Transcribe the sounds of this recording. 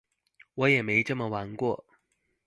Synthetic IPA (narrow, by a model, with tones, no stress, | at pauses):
wɔ˨˧˥jɛ˨˩me˧˥ɪʈ͡ʂɤ˥˩mə˨wa˧˥nkwɔ˥˩